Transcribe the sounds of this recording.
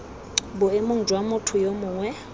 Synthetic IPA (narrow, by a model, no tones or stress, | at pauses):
bʊemʊŋ̩d͡ʒʱwamʊtʰʊjomʊːŋwɛ